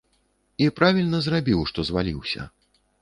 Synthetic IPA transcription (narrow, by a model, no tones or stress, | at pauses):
ipɾavʲilʲnɐzrabʲiwʂt̪ɔzvalʲiwsʲɐ̰